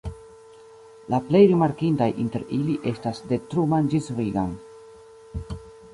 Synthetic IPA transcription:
laple̞jɾimaɾkintajʔinte̞ɾiliʔe̞stasde̞tɾumand͡ʒisviɡa̰n

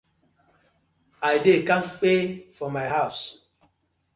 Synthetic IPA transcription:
ajdekãmk͡pefɔmajɦaʊs

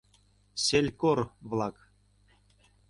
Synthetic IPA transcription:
sʲelʲkorvlˠɑk

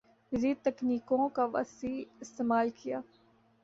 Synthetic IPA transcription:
ziːt̪ɐkniːkõkaʋɐ̰siɪst̪eːmaːlkijaː

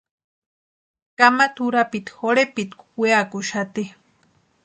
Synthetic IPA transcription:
kamat̪uɾapit̪xoɾepit̪kʷweakuʃat̪i

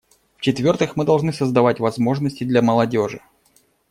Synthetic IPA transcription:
ft͡ɕɪt̪vʲo̞rt̪ɨxmɨd̪ɐlˠʐnɨsəzd̪ɐvatʲvɐzmo̞ʐnəsʲtʲɪd̪lʲɐməlˠɐdʲo̞ʐɨ̰

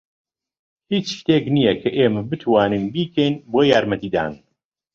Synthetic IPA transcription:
hit͡ʃʃt̪eːknijɐkʰɐʔeːmɐbɨt̪ʰwaːnɨnbiːkʰɛjnboːjaːɾmɐt̪iːd̪a̰ːn

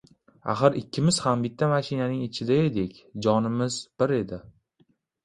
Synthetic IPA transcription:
a̰χɨɾɪkʲʰːɪmɪz̥hambɪt̪ʰːamaʃɪnanɪŋɪt͡ʃʰɪd̪aed̪ekʲd͡ʒɒnɪmɪzbɪɾe̞d̪ɪ

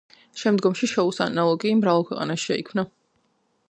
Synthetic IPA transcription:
ʃɛmd̪ɡɔmʃiʃɔusa̰nalˠɔɡimɾavalˠkʰwɛqʼa̰naʃi̥ʃɛikʰmna

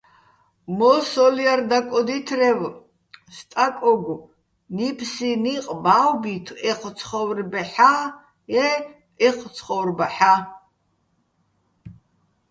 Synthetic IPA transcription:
mɔsɔliard̪akʼɔd̪it̪ʰrɛv | st̪ʼakʼɔɡu | nipʰsiniqʼbawbit̪ʰɛχʰt͡sʰχɔwrbɛħa | ɛ | ɛχʰt͡sʰχɔwrbaħa

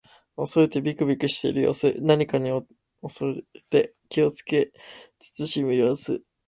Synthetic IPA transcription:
o̞so̞ɾe̞t̪e̞bʲikɯ̟bʲikɯ̟ɕi̥t̪e̞̰iɾɯjo̞̰ːsɨnaɲ̟ikaɲ̟io | osoɾeet̪e̞ | kʲio̞t͡sɨ̥ke̞t͡sɨ̥t͡sɨɕimɯ̟jo̞ːsɨ̰

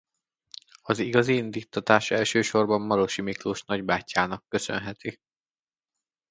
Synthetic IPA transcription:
ɒziɡɒziind̪iːt̪ʰːɒt̪aːʃɛlʃøːʃo̞rbɒmːɒɾo̞ʃimikluʃnɒɟbaːcːaːnɒkːø̞sø̰nɦɛt̪ʰi

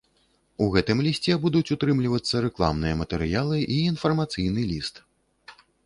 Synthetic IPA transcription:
uɣɛt̪ɨmlʲisʲt͡sʲɛbud̪ut͡sʲut̪ɾɨmlʲivɐt̪sːɐɾɛklˠa̰mnɨjɐmɐt̪ɛɾɨjalˠɨʔiːnfɐrmat̪sɨjnɨlʲist̪

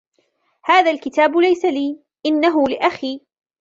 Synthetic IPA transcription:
haːðaːlkɪt̪aːbʊlajsaliː | ʔɪnːaɦʊlɪʔaxiː

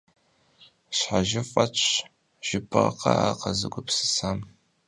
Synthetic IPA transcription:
ɕħaʒɪfʼɐt͡ʃʰ | ʒ̥ɪpʰɨʁɐqɐ̰a̰ːqɐzɨɡʷʊpsɨ̥sam

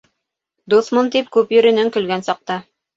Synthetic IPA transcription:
d̪uθmont̪ip̚kʉpjɵ̆ɾɘ̆nɘŋkɵ̆lɡænsɑq̚t̪ɑ

